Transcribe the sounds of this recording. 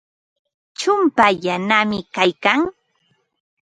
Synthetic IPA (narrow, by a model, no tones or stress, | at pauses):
t͡ʃʊmpajanamɪkajkaŋ